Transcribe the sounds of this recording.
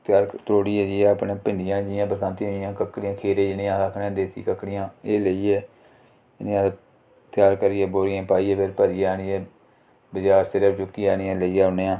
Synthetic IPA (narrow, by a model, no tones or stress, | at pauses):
t̪jaːɾt̪ɾoːɽiːɛːd͡ʒiːɛːəpnẽːpɪɳɖɪjãːd͡ʒɪjãːbəɾt̪ãːnt̪iɦonɪjãːkəkːɽɪãːkʰeːɾeːd͡ʒɪnĩãːɾəkʰnːãːd̪eːt̪ʰḭːkəkːɽɪjãːeːləiːɛː | ɪniːãː | t̪ɪjaːɾkəɾiːɛːboːɾijãːpaːiːɛːpʰɪɾpəɾiːaːniːɛː | bɪd͡ʒaːɾst̪əɾət͡ʃʊkːiːaːniãːləiːɛːʊneːãː